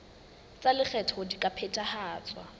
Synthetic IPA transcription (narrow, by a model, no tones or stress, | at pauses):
t͡sʼalɪk͡xʰɛtʰɔdikʼapʰɛtʼahaːt͡sʼwa